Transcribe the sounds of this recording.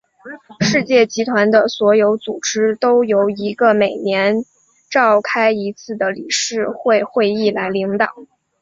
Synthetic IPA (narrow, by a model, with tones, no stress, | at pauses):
ʂɻ̩˥˧t͡ɕjɛ˥˩t͡ɕi˧˥t̪ʰwa˧˥nd̪ə˧swɔ˧˥jo˧˥ʊt͡su˨˩ʈ͡ʂɻ̩˥t̪o˥ʊjo˧˥ʊi˧˥ɡə˧me˨˩ɪnjɛ˧˥n | ʈ͡ʂɑ˥˩ʊkʰa˥ɪi˧˥t͡sʰɹ̩˥˩d̪ə˩lḭ˨˩ʂɻ̩˥˧xwe˥˧ɪxwe˥˧ɪi˥˩la˧˥ɪli˧˥ŋt̪ɑ˨˩˦